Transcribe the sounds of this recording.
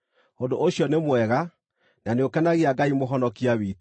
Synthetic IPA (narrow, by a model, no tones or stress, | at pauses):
hondoʔoɕjɔnemwɛɣa | naneokɛnaɣeaɡaimoɦɔnɔkiawiːt